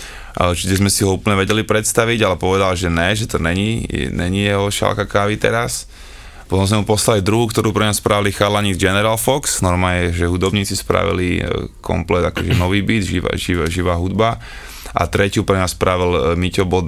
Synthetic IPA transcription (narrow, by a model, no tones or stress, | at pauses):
t͡ʃitɛzmɛsiɦɔuːpl̩ɲɛʋɛɟɛlipɾɛt̪st̪aʋiɟalɛpɔʋɛd̪alʒɛnɛʒɛt̪ɔɲɛɲinɛɲijɛɦɔʃa̰lkakaːʋit̪ɛ̰ɾas | pɔt̪ɔ̃mzmɛmupɔslalid̪ɾuɦuːkt̪ɔɾuːpɾɛɲaspɾaʋilixadlaɲiːd͡zɡɛnɛɾalfɔksnɔɾmajɛʒɛɦud̪ɔbɲiːt͡sispɾa̰ʋḭlikʰɔ̰mplɛd̪akɔʒɛnɔʋiːbid̪ʒḭʒiʋʒiʋaːɦud̪ba | ʔa̰t̪ɾɛcɪupɾɛɲaspɾaʋilmicɔbɔd̪